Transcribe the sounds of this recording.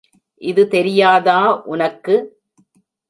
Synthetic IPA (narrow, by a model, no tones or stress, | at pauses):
ʔɪðɯt̪ɛɾɪjaːðaːʔʊnɐkːɯ